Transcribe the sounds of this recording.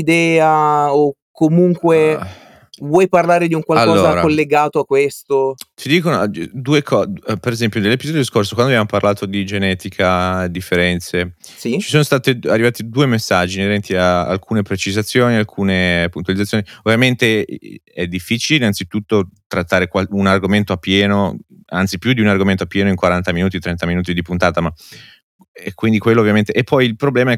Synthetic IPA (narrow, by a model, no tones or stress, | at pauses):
id̪ɛːaokːomuŋkwe | vwɔjparlaːɾed̪iuŋkwalalkɔːozaːɾaolːeɡaːt̪oakːwest̪ot̪ʰid̪iːkonod̪uekʰɔpeɾezɛmpjonelːepizɔːd̪jod̪iskorsokwanoabjamoparlaːt̪od̪id͡ʒenɛːt̪ikʰad̪ifːeɾɛnt̪se | sit͡ʃi̥soːnost̪aːt̪ea̰rːivaːt̪id̪uːemesːad͡ʒːineɾɛnt̪iaa̰lkʰuːnepɾet͡ʃizat̪sːjoːnialkʰuːnepunt̪walid̪t̪ːjoːniovjament̪e | ɛd̪ːifːiːt͡ʃileinːansit̪ut̪ːot̪ɾat̪ːaːɾekwaunarɡoment̪oapːjɛːno | ant̪sipjud̪iunarɡoment̪oapːjɛːnoiŋkwaɾant̪aminuːt̪̬it̪ɾɛnt̪aminuːt̪id̪ipunt̪aːt̪ama | ɛkːwind̪ikwelːoːvjament̪eʔːpːɔjilpɾoblɛːmaɛ